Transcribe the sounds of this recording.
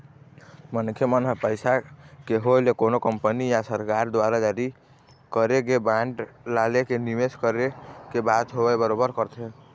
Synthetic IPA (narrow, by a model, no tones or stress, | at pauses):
mənkʰjemənɦəpəjsakeɦolekonokəmpənijasəɾkaɾd̪waɾad͡ʒaɾi | kəɾeɡebaɳʈlalekenimeskəɾekebat̪ɦobɛbəɾobəɾkəɾt̪ʰe